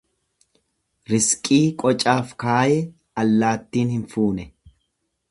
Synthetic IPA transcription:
ɾɪskʼiːkʼɔt͡ʃʼaːfkaːjɛ | ɐlːaːt̪ːiːnhɪnfuːnɛ

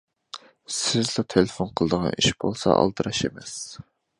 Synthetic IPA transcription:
sɪzlˠɑt̪ʰelefonqʰəlˠəd̪əʁɑ̰nʔiʃbolˠsɑ̰ʔɑ̰lˠd̪ɨɾɑʃemɛs

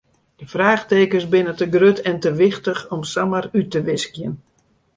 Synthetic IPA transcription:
d̥əfraːχteːkəsbɪnətəɡrøtʰɛntəʋɪxtəxɔmsamərytəʋɪskjən

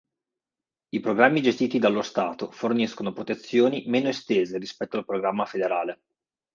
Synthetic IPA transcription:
ipɾoɡɾamːid͡ʒest̪iːt̪id̪alːost̪aːt̪oforniskonopɾot̪et̪sːjoːnimeːnoest̪eːzeɾispɛt̪ːoalpɾoɡɾamːafed̪eɾaːle

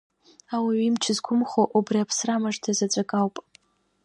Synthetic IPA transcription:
awiimt͡ʃʰɪzkʷʰʊmχoʔubriapʰsramaʐtʰazat͡sʷʼakʼawpʼ

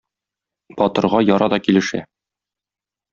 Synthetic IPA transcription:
bɒt̪ɤ̆ɾʁɑjɒɾɑd̪ɒkilɘ̆ʃæ̰

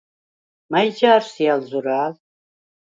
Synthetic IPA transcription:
majd͡ʒaːɾsialzuɾaːl

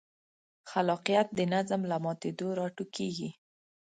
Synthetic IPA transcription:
xalɑqijat̪̚d̪ənazmlamɑt̪ed̪oɾɑʈukeɡi

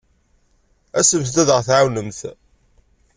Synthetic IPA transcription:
æsəmθd̪æðəʁθʕawnəmθ

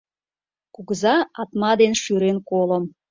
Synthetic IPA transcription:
kuɣzɑɑt̪mɑd̪enʃyɾenkolə̆m

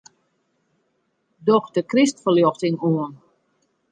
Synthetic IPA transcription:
dɔxdəkristfəljɔxtɪŋuən

